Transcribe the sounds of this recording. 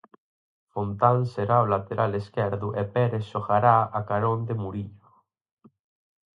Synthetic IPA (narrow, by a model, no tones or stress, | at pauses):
font̪anseɾaolat̪eɾʔaleskɛɾðuʔepɛɾesʃoxaɾaakaɾond̪emuɾiʎo